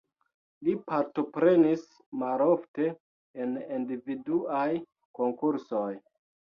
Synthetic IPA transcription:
lipaɾto̞pɾe̞nis | malo̞fte̞ː | nindividuaj | ko̞ŋkuɾso̞j

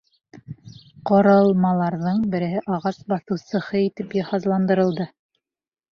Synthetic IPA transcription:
qŏɾɑlˠmɑlˠɑɾðɤɴbɘ̆ɾɘ̆ɦɘʔɑʁɑsbɑθɤ̆wsɤ̆hɤit̪ɘpjɑhɑzlˠɑnd̪ɤ̆ɾɤ̆lˠd̪ɤ

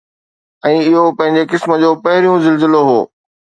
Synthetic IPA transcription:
ɛ̃ːɪɦopɐ̃ɦɪ̃ɲ̆d͡ʑekɪsmə̆d͡ʑoːpɐɦɪɾijũzɪlzɪloɦoː

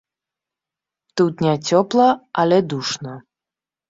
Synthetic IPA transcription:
t̪ut̪nʲɛt͡sʲɔplˠɐɐlʲɛd̪uʂnɐ

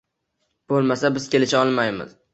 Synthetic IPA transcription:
b̥olˠmasabɪzkʲe̞lɪʃaɒlˠmajmɪ̰z̥

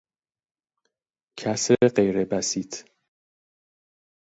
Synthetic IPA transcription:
cʰæsɾeɢe̞jɾebæsiːt̪ʰ

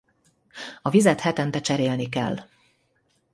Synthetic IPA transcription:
ɒvizɛt̪hɛt̪ɛnt̪ɛt͡ʃɛɾeːlnikɛ̰lː

